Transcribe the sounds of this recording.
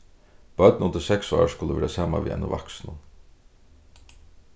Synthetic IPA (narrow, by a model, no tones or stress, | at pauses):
b̥œt̪̚nʊnt̪ɪsɛksɔ̰ːskʊləʋɛːɾasaːmaʋḭʔɛ̰nːʊvaksnʊn